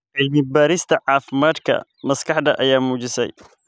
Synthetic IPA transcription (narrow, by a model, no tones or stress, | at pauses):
ʔɛlmɪbaːɾɪst̪ʰɐʕaːfɪmaːd̪kʰɐ̰mɐskɐħd̪ɐʔɐjaːmuːd͡ʒɪsɛ̰j